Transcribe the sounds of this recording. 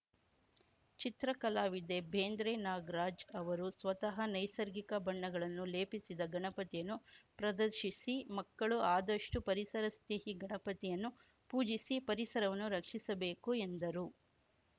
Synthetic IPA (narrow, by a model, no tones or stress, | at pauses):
t͡ʃit̪ɾɐkɐlaːʋid̪e̞bʱeːnd̪ɾeːnaːɡɾaːd͡ʒɐʋɐɾusʋɐt̪ɐɦɐnɐjsɐɾɡikɐbɐɳːɐɡɐɭɐnːuleːpisid̪ɐɡɐɳɐpɐt̪ijɐnːupɾɐd̪ɐɾʃisimɐkːɐɭuaːd̪ɐʂʈupɐɾisɐɾɐst̪eɦiɡɐɳɐpɐt̪ijɐnːu | puːd͡ʒisipɐɾisɐɾɐʋɐnːuɾɐkʂisɐbeːkue̞nd̪ɐɾu